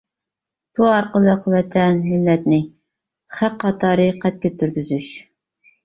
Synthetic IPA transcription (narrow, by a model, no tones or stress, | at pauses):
b̥uɑɾqəlˠəqwɛt̪ʰɛnmɪlːɛt̪nɪ | χæqːɑt̪ʰɑːɾɨqʰɛt̪̚kʲɛt̪ʰːyɾɡʲyzyʃ